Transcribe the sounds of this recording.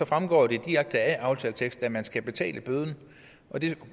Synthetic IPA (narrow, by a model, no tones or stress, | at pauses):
ɒ̽fʁamɡ̥ɒ̰ːd̥e̝d̥iʁaɡ̥̚d̥əæʔɑ̈ʊt͡sʰɛ̰ːlt͡sʰeɡ̥sd̥æmænsɡ̥æb̥e̝t͡sʰɛ̰ːlʔəb̥øð̞ˠn̩ | ʔɒ̽d̥e̝